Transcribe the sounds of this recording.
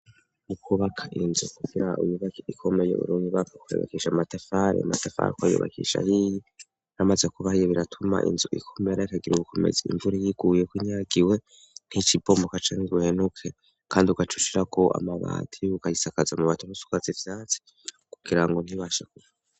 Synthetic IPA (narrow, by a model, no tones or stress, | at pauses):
ukʰuβakʰaʔinzukuɡiɾaʔṵjuβakikʰome̞jḛṵɾuːŋiβakakujṵβa̰kiʃamatafaɾḛama̰tafa̰ɾekwajṵβa̰kḭʃa̰hiji | ɾamazekuβahijeβiɾatʰuma̰ʔḭnzuʔḭkʰomeɾaikaɡiɾuβukʰo̞mḛzeḭɱvuɾijiɡ̥ujekwiɲaːɡiwe̞ | n̥hit͡ʃibo̞mokat͡ʃaniɡuhenukʰe | kʰaːndiuɡat͡ʃuʃiɾakʰo̞ʔa̰maβa̰ːtʰiukahisakazamuβatʰunusu̥kazivjat͡si̥ | ku̥ɡ̥iɾaŋɡo̞n̥hiβaʃak̚uβa